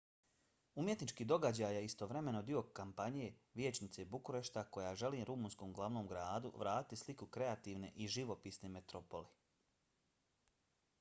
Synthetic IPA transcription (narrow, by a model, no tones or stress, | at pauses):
umje̞t̪nit͡ʃkiːd̪o̞ɡad͡ʑaːjeist̪o̞ʋɾe̞me̞no̞d̪io̞kampaɲije̞ʋjeːt͡ʃnit̪se̞bukuɾe̞ʃt̪ako̞jaːʒe̞liːmɾumuːnskoːmɡlˠaʋnoːmɡɾaːd̪ṵʋɾaːt̪it̪islikukɾe̞at̪iːʋne̞ʔiʒiʋo̞piːsnemet̪ɾopo̞li